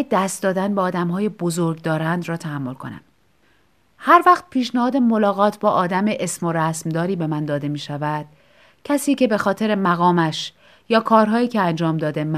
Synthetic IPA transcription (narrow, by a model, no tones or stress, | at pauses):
ed̪æst̪̚d̪ɒːd̪ænbeɒːd̪æmɦɒːjebozoɾɡ̚d̪ɒːɾænd̪ɾrɒːt̪ʰæɦæmːo̞lkʰo̞̰næ̰m | hæɾvæxt̪̚pʰiːʃnæhɒːd̪e̞mo̞lɒːɣɒːt̪ʰbɒːʔɒːd̪æmeʔesmo̞ɾæsmd̪ɒːɾiːbe̞mænd̪ɒːd̪e̞miːʃævæd̪̥ | cʰæsiːce̞be̞xɒːt̪ʰe̞ɾe̞mæɣɒːmæʃ | jɒːkʰɒːɾɦɒːjiːcʰeænd͡ʒɒːmd̪ɒːd̪e̞m